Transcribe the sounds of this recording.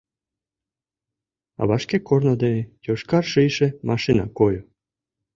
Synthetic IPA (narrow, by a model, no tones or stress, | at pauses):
ɑ̰βɑʃkekornŏd̪enʲejoʃkɑrʃɨjʃemʔɑʃinɑkojo